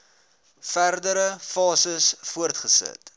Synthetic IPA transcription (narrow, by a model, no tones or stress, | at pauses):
færdəɾəfɑːsəsfuərtχəsə̰t